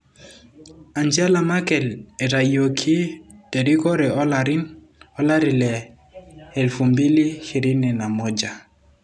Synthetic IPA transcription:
a˨ɲd͡ʒa˦la˨ma˦kɛ˨lɛ˨ɾa˨jo˨kʰi˦tɛ˨di˦kɔ˦ɾɛ˨ɔ˦la˨ɾɪ˦n | ɔ˦la˦ɾɪ˨lɛ˨ | ɛ˨lfu˨mbi˦li˦hi˨ɾi˦nɛ˨na˨mɔ˦d͡ʒa˨

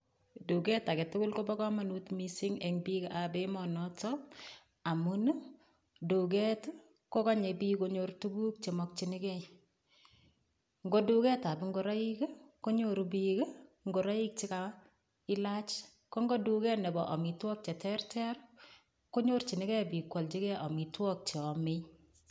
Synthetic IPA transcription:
du˨ɡɛ˦ta˨ke˨tʊ˦kʊ˦lko˦bɔ˦kɔ˦ma˨nutmisi˦ŋeŋbika˨bemɔnɔtɔ˦ | a˨mu˦n˦ | du˨ɡɛ˦t | ko˦kaɲe˨bi˦koɲoɾtu˦ɡu˦k̚t͡ʃe˨mɔ˨k̚t͡ʃinɪ˦kɛ˦i | ŋɡo˦du˦kɛ˦ta˨bɪ˦ŋɡo˨ɾa˦i˦kko˦ɲo˨ɾbikŋɡo˨ɾa˦i˦k̚t͡ʃi˦ka˨ | ɪ˦la˦t͡ʃ | ko˦ŋɡɔ˦du˨kɛ˦nɛ˨bɔ˨ʔɔ˨mi˨twɔ˦k̚t͡ʃɛ˨tɛ˦rtʰɛ˦ɾ | ko˦ɲo˦rt͡ʃi˨nɪ˦ɡɛ˦bi˨kwɔ˨lt͡ʃi˦kɛ˦ʔɔ˨mi˨twɔ˦k̚t͡ʃe˨ɔ˨mɪ˦

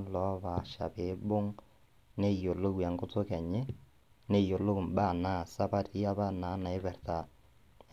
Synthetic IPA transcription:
lɔ˨˦βa˨ʃa̰˨be˨˦bo˦ŋ | ne˦jo˨lo˦ɣwa˨ŋɡo˦t͡so˦kɛ˨ɲe˦ | ne˦˨jo˨lo˦u˨mba˦˨na˦˨sa˦pa˦ti˦a˦βa˦na˨˦na˨e˦βɛ˨rta˦

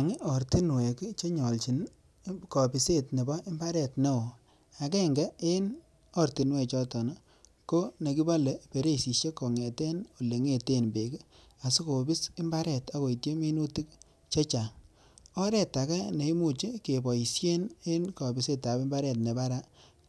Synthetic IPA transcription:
a˨ŋɪ˦ɔ˨ɾti˦nwe˨kt͡ʃe˦ɲɔ˨lt͡ʃi˨n | kɔ˨bi˨se˦˨tne˨bɔ˦ɪ˦mba˦ɾɛ˦˨tne˦o˨ | a˨ke˦˨ŋɡe˦e˦n | ɔ˦rti˨nwɛ˨t͡ʃɔ˦tɔ˨na˦ | ko˦ne˨ki˦ba˦le˨pe˨ɾe˦˨si˨ʃje˦kɔ˨ŋe˨te˦no˨le˨ŋe˦˨te˦nbe˨k | a˨su˦ko˨bi˦sɪ˦mba˦ɾɛ˨ta˨˦ko˨i˨tje˦mi˦nu˦ti˦k | t͡ʃe˦t͡ʃa˨ŋ | ɔ˦ɾɛ˦˨ta˨ka˦ne˨i˦mu˦˨t͡ʃi˦ke˨bɔ˨i˨sje˦ne˦nkɔ˨bi˨se˦ta˨pɪ˦mba˦ɾɛ˨tne˨ba˦ɾa˦

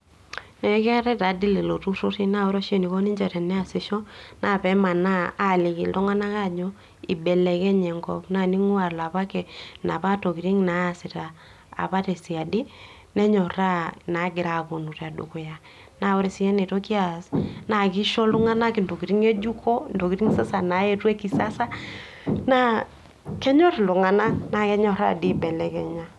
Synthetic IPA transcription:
nɛ˨˦kɛ˦ɾɛ˦ta˨˦di˦lɛ˨lo˨tu˦ɾo˦ti˦na˦ɔ˦ɾɔ˦ʃe˦ni˨kɔ˦ni˦ɲd͡ʒɛ˨tɛ˨nɛ˦a˨sɪ˨ʃɔ˦na˦˨pɛ˨˦ma˨naː˦˨lɪ˨ki˨ltɔ˦ŋa˦na˦ka˦˨d͡ʒɔ˦ | i˨bɛ˨lɛ˨kɛ˦ɲɛ˨ŋɡɔ̰˦pna˨ni˦ŋu˦a˨rla˨pa˦kɛ˨na˨pa˦to˨ki˨ɾi˦ŋnaː˨˦˨sɪ˨ta̰ː˨ | pa˦tɛ˨si˨a˨di˦ | nɛ˦ɲɔ˨ɾa˦na˨˦ɡɪ˨ɾa˨ko˨nu˨ɾa˨dṵ˨kʊ˨ja˨ | na˨ɔ˦ɾi˨si˦ɛ˦ne˨to˦ki˦a˨sna˨ki˦ʃɔ˦lʊ˦ŋa˦na˦ki˨ndo˨ki˨ɾi˦ŋe˦d͡ʒu˦kɔ˦˨ndo˨ki˨ɾi˦ŋ˦sa˦sa˨na˨˦e˦twe˦ki˨sa˦sa˦ | na˦ | kɛ˦ɲɔ˦ɾlʊ˨ŋa˨na˦na˨kɛ˦ɲɔ˨ɾa̰˦˨di˦bɛ˨lɛ˨kɛ˨ɲa˦

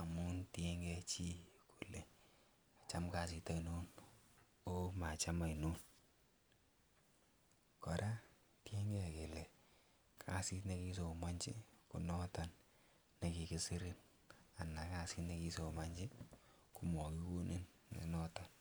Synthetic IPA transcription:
a˨mu˦ntje˦ŋɡɛ˧t͡ʃi˦kʰu˨lɛ˨ | a˨t͡ʃa˦mka˨si˨ta˦ino˦n | o˦ma˨t͡ʃa˦ma˨i˨no˦n | kɔ˨ɾa˦ | te˦ŋɡɛ˦ke˨lɛ˨ | kʰa˨˦si˦tne˦ki˦s̬o˨ma˦ɲt͡ʃɪ̰˦ku˨nɔ˦ta˨n | ne˨ki˨ki˦si˦ɾi˦n | a˨na˨ka˦si˦tne˦ki˦so˨ma˦ɲd͡ʒɪ˦ | ku˨mɔ˨ki˦wo˦nʔe˦nːḛ˨nɔ˦ta˨n

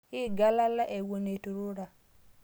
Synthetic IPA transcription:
hi˦ɡa˦la˦la˦ʔe˨wo˨ne˨tu˨ɾu˦ɾa˨

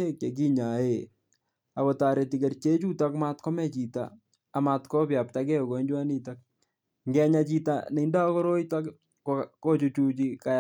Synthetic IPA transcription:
e˦kt͡ʃe˨k̬i˦ɲa˨e˨ | a˨kɔ˨taː˨ɾe˨ti˨ke˨rt͡ʃe˦t͡ʃu˦ta˦kma˦tkɔ˦mɛ˦t͡ʃi˨ta̰ː˨ | ma˨tkɔ˦pja˨pta˦kɛ˦o˨ko˨˦ɲd͡ʒwa˦ni˦ta˦k̚ | ŋɡɛ˦ɲa˨t͡ʃi˦ta̰ne˨˦nda˦kɔ˦ɾo˦ita˦k | koko˦t͡ʃu˧t͡ʃu˦t͡ʃi˦ka˨

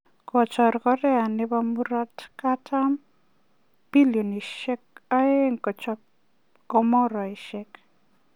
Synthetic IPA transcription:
kɔ˨t͡ʃɔ˨ɾkɔ˦ɾɛ˦a˨nɪ˦ba˦mu˦ɾɔ˦tka˦tʰam | b̥i˦ljo˨ni˨ʃɛ˦k̚a˦e˦ŋkɔ˨t͡ʃɔ | kɔ˦mɔ˦ɾɔ˨i˨ʃɛ˦k

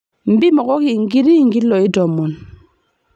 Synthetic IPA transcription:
m̩˨˦bi˦mɔ˨kɔ˦ki˨ŋ˦ɡi˦ɾi˦˨ŋ˦ɡi˦lːɔ˨i˦dɔ˨mːɔ˨n

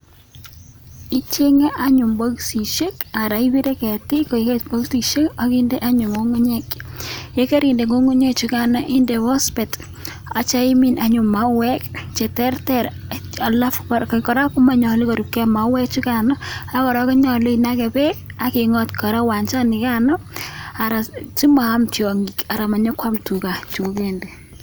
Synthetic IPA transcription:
i˦t͡ʃe˦ŋe˦ʔa˦ɲʊ˨mbo˦ksi˨ʃe˦ka˨ɾa˨i˦bi˦ɾe˦kɛ˨tɪ˦ko˨i˨ketbo˦ksi˨ʃe˦ka˦kɪ˦nde˦ʔa˦ɲʊ˨ŋo˦ŋo˦ɲe˦ke˦ke˦ɾi˨nde˨ŋo˦ŋu˦ɲe˦k̚t͡ʃu˦ka˨nɔ˨ʔi˦nde˨βɔ˦spɛ˨t | a˨t͡ʃa˦i˦mi˨na˦ɲʊ˨ma˦wɛ˦kt͡ʃɛ˨tɛ˦rtɛ˦˨ɾ | a˨la˦fkkɔ˨ɾa˦pu˦ma˦ɲɔ˨li˦ko˨ɾu˨kːɛ˦ma˨wɛ˦k̚t͡ʃu˦ka˨nɔ˦a˦kɔ˨ɾɔ˦ke˦ɲɔ˨le˦i˨nakɛ˨pɛ˦ka˦ki˨ŋɔ˦tkɔ˨ɾa˦wa˨nt͡ʃa˦ni˨ka˦nɔ˦a˨ɾa˨t͡ʃi˦maː˨˦mtjɔ˨ŋɡi˨ka˨ɾa˨ma˨ɲɔ˦kwa˦mtu˨ka˨t͡ʃu˨ku˦ke˦nde˨

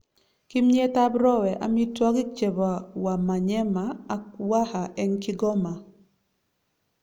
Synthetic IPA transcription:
ki˦mɲe˦ta˦bɾɔ˦wɛ˨ʔa̰˨mi˦twɔ˦ki˦k̚t͡ʃe˨ba˨wa˨ma˨ɲɛ˦maː˨˦wa˦ha˨ʔɛ˦nki˦ɡɔ˦ma˨

